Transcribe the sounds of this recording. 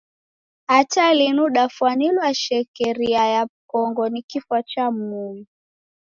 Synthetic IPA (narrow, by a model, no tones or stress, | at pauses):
atalinuɗafwanilwaʃɛkɛɾiajakɔŋɡɔnikifwat͡ʃam̩ui